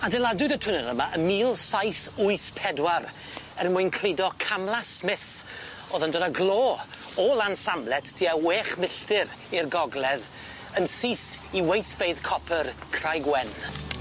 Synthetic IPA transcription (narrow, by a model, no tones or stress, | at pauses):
adɛlˠadɨdətʰʊnəɾəmaʔəmiːlˠsajθʊɨθpʰɛdwaɾ | ɛrnmʊɨnkʰl̥ˠɪdɔkʰamlˠasmɪθ | oːðəndɔdaɡlˠoː | ɔlansamlɛtʰtʰːiːaweːχmɪɬtɪɾ | irɡɔɡlˠɛð | ənsiːθ | iwejθv̥eɨðkʰɔpʰərkʰr̥ajɡwɛn